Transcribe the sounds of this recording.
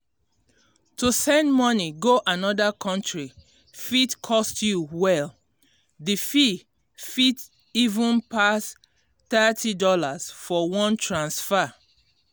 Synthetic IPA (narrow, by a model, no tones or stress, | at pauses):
tusɛ̃ndmɔniɡoʔanɔdakʰɔ̃ntɹi | fitkʰɔstjuwɛl | difi | fit | ivũnpas | θɛtʰidɔlaz̥fɔwɔ̃ntʰɹãnsfa